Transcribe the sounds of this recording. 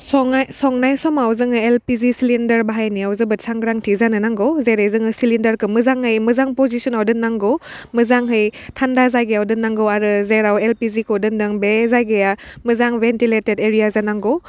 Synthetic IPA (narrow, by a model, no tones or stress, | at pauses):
sɔŋajsɔŋnajsɔmawzɯŋɯelpizisilindɐɾbaɦajniawzɯbɯt̚saŋɡɾaŋtʰizanɯnaŋɡɔwzejɾajzɯŋɯsilindɐɾkɯmɯzaŋhɯjmɯzaŋpɔzisɔnawdɯnːaŋɡɔ | mɯzaŋɦɯjtʰandazajɡejawdɯnːaŋɡɔwaɾɯzeɾawelpizikʰodɯndɯŋbezajɡɯjamɯzaŋbentiletedeɾijazanaŋɡɔw